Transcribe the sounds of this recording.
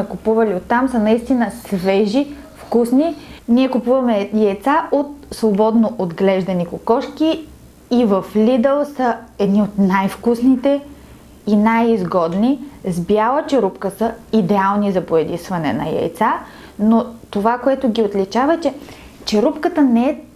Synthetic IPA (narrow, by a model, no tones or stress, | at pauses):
ɛkʊpuvɐliot̪ːamsənɐist̪inəsvɛʒi | fkusniniɛkʊpuvɐmɛjɛjt̪saʔot̪svobɔd̪noʔod̪ɡlɛʒd̪ɐnikokɔʃkiː | vəflʲid̪əlˠsəɛd̪niot̪najfkusnit̪ɛ | inajizɡɔd̪nizbjalˠət͡ʃɛɾupkəsəid̪ɛalˠnizɐpoɛd̪isvɐnɛ̰nɐ̰jɛ̰jt̪sa | not̪ovakoɛt̪ʊɡʲiot̪lit͡ʃavɐt͡ʃɛ | t͡ʃɛɾupkət̪ənɛɛ